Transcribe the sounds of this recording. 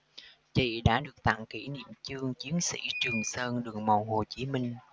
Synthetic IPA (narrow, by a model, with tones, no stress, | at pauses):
t͡ɕḭ˧˨ɗa̰ː˧˥ɗɨ˨˩ək̚t̪a̰˧˨ŋki˧˩nḭ˧˨əmt͡ɕɨ˧əŋt͡ɕi˨˦ənsḭ˧˥t͡ɕɨ˨˩əŋsəː˧nɗɨ˨˩əŋma˨˩who˨˩t͡ɕi˨˦mï˧ŋ̟